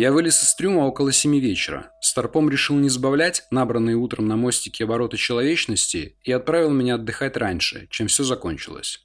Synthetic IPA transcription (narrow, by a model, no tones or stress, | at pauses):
javɨlʲɪsɨ̥st̪ɾʲuməo̞kəlˠəsʲɪmʲivʲet͡ɕɪɾə̰st̪ɐrpo̞mɾʲɪʂɨlˠnʲɪzbɐvlʲætʲnabɾənːɨjəut̪ɾəmnɐmo̞sʲtʲɪkʲɪɐbɐɾo̞t̪ət͡ɕɪlˠɐvʲet͡ɕnəsʲtʲɪ̰ːɐt̪̚pɾavʲɪlˠmʲɪnʲaɐd̪ːɨxatʲranʲʂɨ̰t͡ɕemfsʲozɐko̞̰nʲt͡ɕɪ̰lˠə̰sʲ